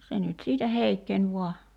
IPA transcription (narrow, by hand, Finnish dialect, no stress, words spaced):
se nyt siːtæ heikːenʲ ʋuɑ